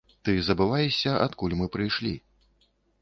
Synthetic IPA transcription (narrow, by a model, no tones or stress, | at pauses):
t̪ɨzɐbɨvajɛɕʲɐʔa̰t̪kulʲmɨpɾɨjʂlʲi